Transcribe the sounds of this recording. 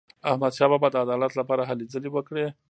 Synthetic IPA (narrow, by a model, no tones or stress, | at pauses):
ahmad̪ʃɑbabad̪əad̪ɑlat̪lapɑɾaɦalezəlewəkɽe